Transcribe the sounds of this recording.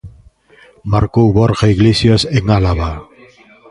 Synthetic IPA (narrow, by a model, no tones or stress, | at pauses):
maɾkouβoɾɣaiɣlesjoeseŋalaβa